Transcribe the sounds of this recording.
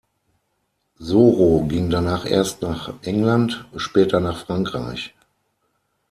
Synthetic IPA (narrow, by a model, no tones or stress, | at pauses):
zoːʁoɡɪŋdanaːχʔḛːɐstnaːχʔɛŋlantʊntʃpɛːtɐnaːχfʁ̥aŋkʁ̥a̰ɪç